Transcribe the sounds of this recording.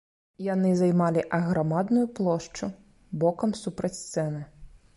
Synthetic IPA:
janɨzajmalʲiʔɐɣɾamad̪nʊjuplˠɔʂt͡ʂu | bɔkɐmsupɾɐt͡sʲst̪sɛnɨ

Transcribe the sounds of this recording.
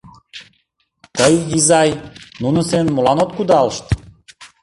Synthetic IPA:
t̪əjɦizɑjnunɤ̆senmulˠɑnot̪kud̪ɑlˠʃt̪

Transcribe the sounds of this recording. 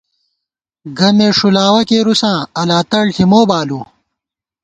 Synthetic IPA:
ɡɐmeːʂulaːwɐkeːɾusãːɐlaːt̪ɐɽʈʰimoːbaːluː

